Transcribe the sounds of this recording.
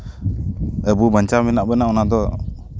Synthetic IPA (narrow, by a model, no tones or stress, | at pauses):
ɛbubaɲt͡ʃamɛnaʔbɛnaɔnad̪ɔ